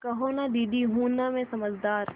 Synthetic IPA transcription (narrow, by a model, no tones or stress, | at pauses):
kɐɦoːnaɖiːɖiɦuːnːamẽsɐməd͡ʒd̪aːɾ